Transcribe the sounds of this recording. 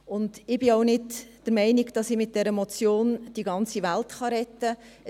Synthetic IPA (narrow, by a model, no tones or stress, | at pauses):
ʊnd̥ɪb̥ɪaʊnɪdd̥əɾmɛɪniɡd̥ɑsɪmɪt̚d̥ɛɾəmɔt͡sjoːnd̥iɡɑnt͡siʋæltχɑɾɛtːə